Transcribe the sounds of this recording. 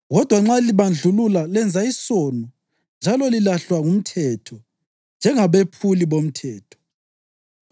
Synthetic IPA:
ɣɔd̥ʱwaŋ͡ǁaliβand͡ɮʱululalɛnd͡zʱaisonu | nd͡ʒʱalɔlilaɬwaŋum̩tʰɛtʰɔ | nd͡ʒʱɛŋaβepʰuliβom̩tʰɛːtʰɔ̥

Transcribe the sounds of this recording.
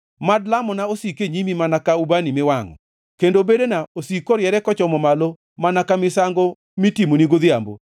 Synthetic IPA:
madlamɔnaosikeɲimimanakaubanimɪwaŋɔ̰ | kendobedenaosikoɾjɛɾɛkɔt͡ʃɔmɔmalo | manakamɪsaŋɡo | mitimoniɡoðɪambo̰

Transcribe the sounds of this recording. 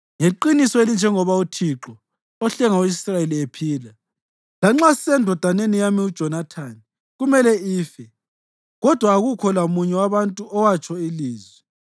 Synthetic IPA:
ŋeǃinisɔelind͡ʒʱɛŋɔβautʰiǁɔ | ɔɬɛŋawisrajeliepʰiːla | laŋ͡ǁasisɛndʱɔd̥ʱanenijamiud̥ʒ̥ʱɔnatʰani | ɣumɛlɛiːfɛ | ɣɔd̥ʱwaːɣukʰɔlamuɲɛwaβantʼuɔwat͡ʃʼʰɔiliːzwɛ

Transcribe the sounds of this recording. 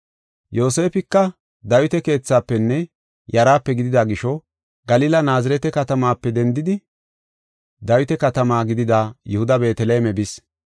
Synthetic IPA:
jo̞ːse̞ːfɪkːɐ | d̪ɐjʊt̪ɛke̞ːt͡sːaːpːɛnːɛ | jɐɾaːpːɛɡɪd̪ɪd̪aːɡɪʃɔ | ɡɐliːlɐnaːzɪɾɛt̪ɛkɐt̪ɐmaːpːɛd̪ɛnd̪ɪd̪ɪ | d̪ɐjʊt̪ɛkɐt̪ɐmaːɡɪd̪ɪd̪aːjʊhʊd̪ɐbe̞ːt̪ɛleːmɛbɪs

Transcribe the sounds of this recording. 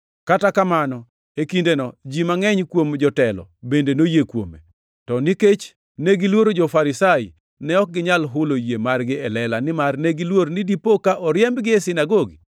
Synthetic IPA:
katakamanɔ | ekindenɔd͡ʒimaŋɛɲkwomd͡ʒɔtɛlɔ̰bendenojekwo̰mḛ | tɔniket͡ʃ | neɡɪlwoɾod͡ʒɔfaɾɪsajɪ | nɛɔk̚ɡɪɲalɦʊlojemarɡɪɛlɛlanɪmarneɡilwoɾnɪdipokaʔɔɾjɛmbɡɪɛsɪnaɡoɡi

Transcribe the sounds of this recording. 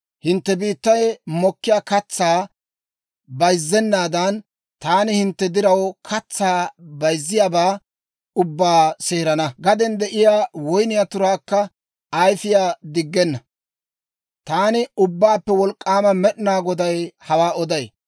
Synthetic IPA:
hɪnt̪ːɛbiːt̪ːɐjmɔkːɪjaːkɐt͡sːaː | bɐjzːɛnːaːd̪ɐn | t̪aːnɪhɪnt̪ːɛd̪ɪɾɐwkʰɐt͡sːaːbɐjzːɪjaːbaː | ʊbːaːseːɾɐnɐɡɐd̪ɛnd̪ɛʔɪjaːwɔjnɪjat̪ʊɾaːkːɐ | ɐjfɪjaːd̪ɪɡːɛnːɐ | t̪aːnɪʊbːaːpːɛwɔlkʼːaːmɐmɛɗnaːɡɔd̪ɐjhɐwaːɔd̪ɐj

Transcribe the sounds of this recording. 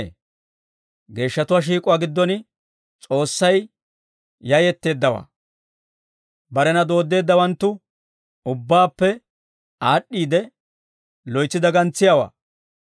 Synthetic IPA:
ɡe̞ːʃːɐt̪ʊwaʃ̬iːkʼʊwaːɡɪd̪ːɔn | t͡sʼo̞ːsːɐj | jɐjɛt̪ːe̞ːd̪ːɐwa̰ː | bɐɾɛnɐd̪o̞ːd̪ːe̞ːd̪ːɐwɐnt̪ːʊ | ʊbːaːpːɛ | aːɗːiːd̪ɛ | lɔjt͡sːɪd̪ɐɡɐnt͡sːɪjawa̰ː

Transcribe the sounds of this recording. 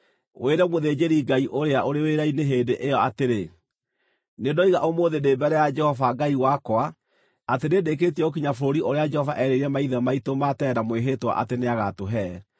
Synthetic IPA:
wʔeɾɛmoðeːd͡ʒeɾiɡaiʔoɾeaʔoɾeweɾaineɦeːdeʔejɔateɾe | nedɔiɣaʔomoːðedebɛɾɛjad͡ʒɛhɔvaɡaiwakwa | atenedek̬etiɛokiɲafoɾoɾiʔoɾead͡ʒɛhɔvaʔɛɾeɾɛmaiðɛmaitomatɛɾamweɦetwa̰ʔa̰teneaɣatoɦɛː

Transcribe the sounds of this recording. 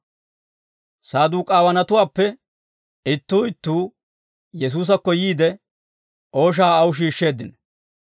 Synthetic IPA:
saːd̪uːkʼaːwɐnɐt̪ʊwaːpːɛ | ɪt̪ːuːɪt̪ːuː | jɛs̬uːs̬ɐkːɔjiːd̪ɛ | ʔo̞ːʃ̬aːɐwʊʃ̬iːʃːe̞ːd̪ːɪn

